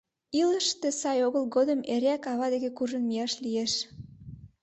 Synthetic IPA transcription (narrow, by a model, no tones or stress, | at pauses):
iləʃt̪ĕsɑjoɣəlɣod̪əmeɾækɑβɑd̪eɣekuʒə̆nmiɑʃlijeʃ